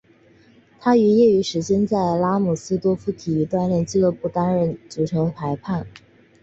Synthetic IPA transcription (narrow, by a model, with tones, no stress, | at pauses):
t̪ʰa˥y˧˥jɛ˥˩y˧˥ʂɻ̩˧˥ɕɛ˥nt͡sa˥˩ɪla˥mu˨˩sɹ̩˥t̪wɔ˥fu˥t̪ʰi˨˩˧t̪wa˥nljɛ˥˧nt͡ɕi˥˧lɤ˥˧pu˥˩t̪a˥nɻə˥˩nt͡su˨˥˩ʈ͡ʂʰɤ˧˥pʰa˧˥ɪpʰa˥˩n